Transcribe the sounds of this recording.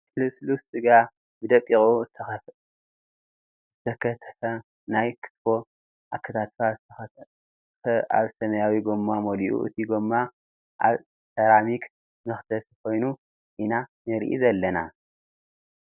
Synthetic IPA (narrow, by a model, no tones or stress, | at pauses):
lɨslussʼɨɡa | bɨd̪ɐkʼːixʼu | zɨt̪ʰɐkʰɐt̪ʰɐ̥fɐ | najkʰɨ̥t̪fo̞ | ʔakʰːɐt̪ʰat̪fa | ɐa̰βsɐmɐjawiɡomːamoliʔṵʔɨ̰t̪ʰiɡomːa | ʔa̰β | sʰɐɾamik | mɨxt̪ʰɐfkʰo̞jnu | ʔinanɨɾʔḭzɐlːɐna̰